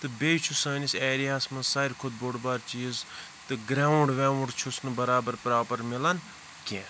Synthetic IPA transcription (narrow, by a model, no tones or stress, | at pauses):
t̪ɨbeːjt͡ʃʰusɐːniseːɾiaːsmɐsaːɾʲkʰʊd̪̚boɽbaːɾt͡ʃiːz | t̪ɨɡɾaːuɳɖʋɛ̃ːuɳɖt͡ʃʰusnɨbɐɾaːbɐɾpɾaːpɐɾmilɐn | kʲẽ